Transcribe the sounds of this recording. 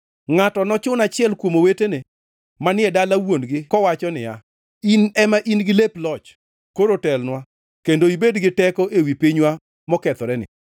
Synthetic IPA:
ŋatɔnɔt͡ʃʊnat͡ʃɪɛlkwomowetene | manɪɛdalawonɡɪkɔwat͡ʃɔnɪja̰ | inɛmaʔinɡɪleplɔt͡ʃ | koɾotɛlnwa | kendoibedɡɪtɛkɔʔewipiɲwa | mɔkɛt̪ɔɾɛnɪ̰

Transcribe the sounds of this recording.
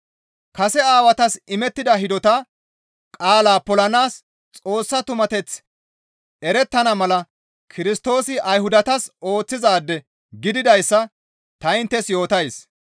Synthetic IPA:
kɐsɛaːwɐt̪ɐsɪmɛt̪ːɪd̪ɐɦɪd̪ɔt̪ɐ | kʼaːlaːpɔlɐnaːs | t͡sʼo̞ːsːɐt̪ʊmɐt̪ɛt͡s | ɛɾɛt̪ːɐnɐmɐlɐ | kʰɪɾɪst̪o̞ːsɪʔɐjhʊd̪ɐt̪ɐso̞ːt͡sːɪzaːd̪ːɛ | ɡɪd̪ɪd̪ɐjsːɐ | t̪ɐɪnt̪ːɛsjo̞ːt̪ɐjs

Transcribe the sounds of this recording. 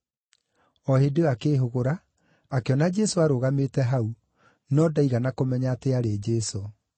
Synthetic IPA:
ɔhedeakeːɦoɣoɾaː | keɔnad͡ʒɛsoaɾoːɣametɛɦau | nɔdaiɣanakomɛɲaːteaɾed͡ʒɛso

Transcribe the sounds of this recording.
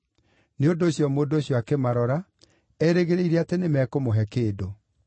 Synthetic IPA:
neondoːɕjɔmoːndoːɕjɔakemaɾɔɾa | ɛɾeɣeɾeiɾeatenemɛkomoɦɛkeːdo

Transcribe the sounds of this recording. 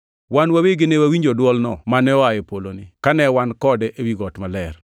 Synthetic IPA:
wanwaweɡɪnewawiɲd͡ʒodwɔlnɔ̰manɛɔajepolonɪkanɛwankɔdɛʔewiɡɔtmalɛr

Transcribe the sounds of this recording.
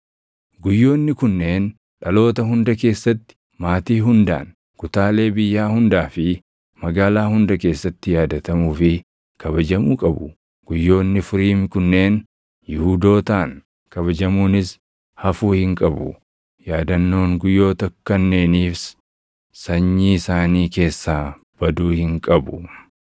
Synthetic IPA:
ɡʊjːo̞ːnːɪkʊnːe̞ːn | ᶑɐlo̞ːt̪ɐɦʊnd̪ɐke̞ːsːɐt̪ːɪ̥ | maːt̪iːɦʊnd̪a̰ːn | kʊt̪aːle̞ːbɪjːaːhʊnd̪aːfɪ | mɐɡaːlaːhʊnd̪ɐke̞ːsːɐt̪ːɪjaːd̪ɐt̪ɐmuːfɪ | kʰɐβɐd͡ʒɐmuːkʼɐbʊ̰ | ɡ̥ʊjːo̞ːnːɪfʊɾiːmkʊnːe̞ːn | jɪhuːd̪o̞ːt̪aːŋ | kɐβɐd͡ʒɐmuːnɪs | hɐfuːhɪŋkʼɐbʊ̰ | jaːd̪ɐnːo̞ːŋɡʊjːo̞ːt̪ɐkːɐnːe̞ːniːfs | sɐɲːiːɪsaːniːke̞ːsːaː | b̥ɐd̪uːhɪŋkʼɐbʊ

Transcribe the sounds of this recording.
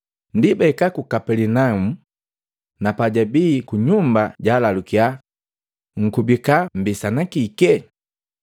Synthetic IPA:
ndibɛkakukapɛlinaumu | napaɟabikuɲumbaɟalalukia | ŋ̩kubikam̩bisanakikɛ

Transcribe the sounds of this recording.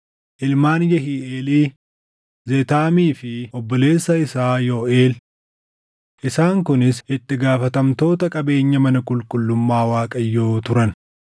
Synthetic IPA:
ʔɪlmaːnjɐɦiːʔeːliː | zet̪aːmiːfɪɔbːɔle̞ːsːɐɪsaːjoːʔeːl | ʔɪsaːŋkʊnɪsɪt̪ːɪɡaːfɐt̪ɐmt̪o̞ːt̪ɐkʼɐbe̞ːɲːɐmɐnɐkʼʊlkʼʊlːʊmːaːwaːkʼɐjːoːt̪ʊɾɐn

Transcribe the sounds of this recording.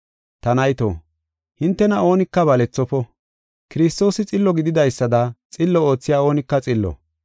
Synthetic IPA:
t̪ɐnɐjt̪o̰ː | hɪnt̪ːɛnɐo̞ːnɪkːɐbɐlɛt͡sːɔpɔ | kɪɾɪst̪o̞ːsɪt͡sʼɪlːɔɡɪd̪ɪd̪ɐjsːɐd̪ɐt͡sʼɪlːɔo̞ːt͡sːɪjaːo̞ːnɪkːɐt͡sʼɪlːɔ̰

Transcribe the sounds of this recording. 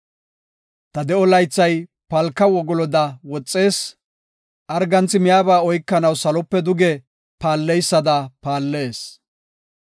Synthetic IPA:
t̪ɐd̪ɛɔlɐjt͡sːɐj | pɐlkːɐwɔɡɔlɔd̪ɐwɔt͡sʼːe̞ːs | ʔɐɾɡɐnt͡sːɪmɪjaːbaːɔjkːɐnɐwsɐlɔpːɛd̪ʊɡɛ | paːlːɛjsːɐd̪ɐpaːlːe̞ːs

